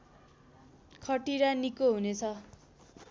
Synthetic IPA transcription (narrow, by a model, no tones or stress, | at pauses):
kʰʌʈiɾanikoɦunet͡sʰʌ